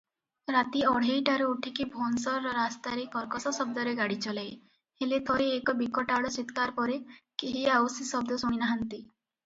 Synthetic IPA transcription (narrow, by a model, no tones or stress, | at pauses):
ɾat̪iɔɽ̤ejʈaɾeuʈʰikibʱonsɔɾɔɾast̪aɾekɔɾkɔsɔsɔb̚d̪ɔɾeɡaɽit͡ʃɔlaj | helet̪ʰɔɾeːkɔbikɔʈaɽɔsit̪kaɾpɔɾekeɦiawsisɔb̚d̪ɔsuinaɦant̪i